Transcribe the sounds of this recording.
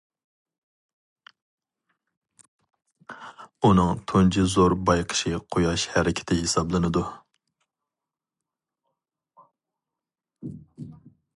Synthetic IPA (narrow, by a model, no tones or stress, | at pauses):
unɨŋt̪ʰont͡ʃʰizoɾbɑjqʰə̥ʃɪqʰojɑʃhæɾɪkʲʰɪ̥t̪ʰɪhɪsɑblˠɨnɨd̪u